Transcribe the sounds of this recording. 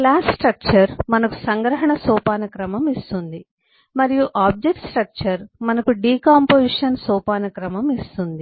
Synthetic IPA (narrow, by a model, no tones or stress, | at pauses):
klaːssʈɾɐk̚t͡ʃɐɾmɐnɐku̥sɐŋɡɾɐɦɐɳɐsɔːpaːnɐkɾɐmɐmist̪und̪i | mɐɾijuʔaːb̚d͡ʒek̚ʈsʈɾɐk̚t͡ʃɐɾmɐnɐkuɖiːkaːmpoːsiʂɐnsɔːpaːnɐkɾɐmɐmist̪und̪i